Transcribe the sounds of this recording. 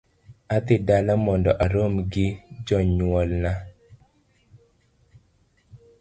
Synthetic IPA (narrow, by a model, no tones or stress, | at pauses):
ad̪ɪdalamɔndɔʔaɾomɡɪd͡ʒɔɲwɔlna